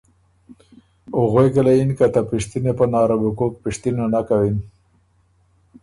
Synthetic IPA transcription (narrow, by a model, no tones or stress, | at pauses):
ʊɣojkəlainkat̪apiʂt̪inepənɑɾabukok̚pɪʂt̪inanakawin